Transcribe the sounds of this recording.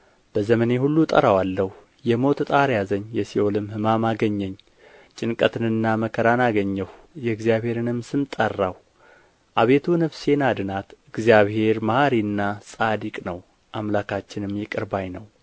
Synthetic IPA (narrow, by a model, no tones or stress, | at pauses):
b̥əzəməne̞hulːut̪ʼə̰ɾawalːəhu | jɛmo̞t̪ʰt̪ʼaɾjazəɲːjɛsio̞lɨmhɨmamaɡəɲːəɲː | t͡ʃʼɪnkʼət̪ʰɨnɨnːaməkʰəɾanaɡəɲːɛh | jɛɡzijaβhe̞ɾɨnɨmsɨmt̪ʼərːaw | ʔaβe̞t̪ʰunəfse̞nad̪ɨnat̪ɨɡzijaβhe̞ɾmahaɾiɨnːasʼad̪ikʼnəw | ʔamlakʰat͡ʃːɪnɨmjɛkʼɨɾbajnəw